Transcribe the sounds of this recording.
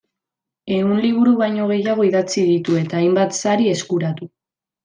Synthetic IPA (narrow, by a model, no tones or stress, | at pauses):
e̞ɣunliβ̞uɾuβajɲo̞ɣ̞e̞jaɣ̞o̞iðat͡siðit̪ue̞t̪aːjmbat̪saɾie̞skuɾat̪u